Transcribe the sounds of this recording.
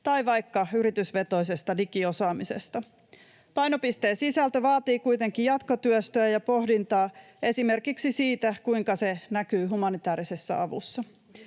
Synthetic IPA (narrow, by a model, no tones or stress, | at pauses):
t̪ɑjʋɑjkːɑyɾit̪ysʋe̞t̪o̞jse̞st̪ɑdikio̞sɑːmise̞̰st̪ɑ | pɑjno̞pist̪e̞ːsisælt̪ø̞ʋɑːt̪iːkujt̪e̞ŋkijɑt̪ko̞t̪yøst̪øæjɑpo̞hdint̪ɑː | e̞sime̞rkiksisiːt̪ækujŋkɑse̞nækyːɦumɑnit̪æːɾise̞sːæ̰ɑ̰ʋṵsːɑ